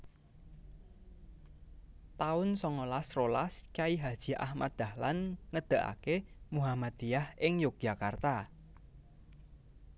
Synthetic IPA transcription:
t̪aʊnsɔŋɔlasrolaskaiɦad̥ʒ̥i̤ʔa̰hma̰t̪d̥̪a̤hlanŋəd̪̥ə̤ʔa̰kemuɦamad̪̥ijahɪŋjʊk̚ʒ̥a̤kart̪a

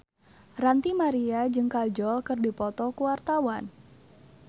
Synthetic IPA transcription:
rant̪imaɾiad͡ʒɨŋkald͡ʒɔlkɨrdipɔt̪ɔkuwart̪awan

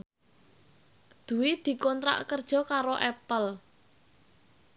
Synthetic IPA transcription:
d̪̥ṳwid̪̥i̤kɔnt̪ɾa̰ʔkərd̥ʒ̥ɔ̤kaɾoʔɛpəl

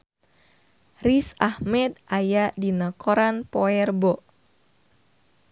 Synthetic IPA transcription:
risahmɛd̪ʔajaʔdinəkoɾanpoɛrbɔʔ

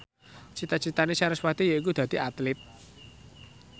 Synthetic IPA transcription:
t͡ʃit̪at͡ʃit̪anesaɾəswat̪ijəikud̪̥a̤d̪̥i̤at̪lɪt̪̚

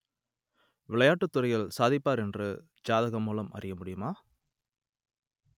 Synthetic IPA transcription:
ʋɪɭɐjaːʈːɯt̪ːɯrɐɪjɣɐɭsaːðɪpːaːɾɛndrɯ | d͡ʒaːðɐɣɐmuːlɐmʔɐ̰rɪjɐmʊɽɪjɯmaː

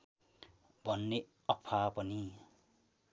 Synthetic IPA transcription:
bʱʌnːe | ʌkpʰapʌni

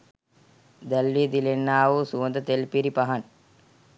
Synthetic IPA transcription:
d̪ɐlʋid̪ilenːaːʋusuːɐnd̪ɐt̪elpiɾipɐɦɐn

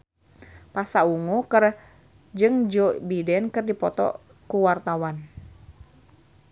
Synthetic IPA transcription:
pasauŋokɨr | d͡ʒɨŋd͡ʒobidɛnkɨrdipɔt̪ɔ̰ | kuwart̪awan

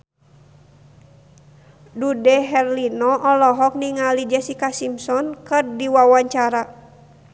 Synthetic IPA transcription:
dudɛɦɛrlinɔʔɔlɔɦɔk̚niŋalid͡ʒɛsikasimsɔnkɨrdiwawaɲt͡ʃaɾa

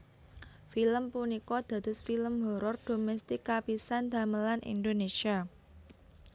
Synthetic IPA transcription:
filəmpunikɔd̪̥ä̤d̪̥ʊ̤sfiləmɦo̤ɾɔrd̪̥o̤mɛst̪ikːapisand̪̥ä̤məlanʔḭnd̪onesia

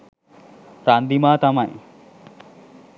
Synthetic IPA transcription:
pɾand̪imaːt̪amaj

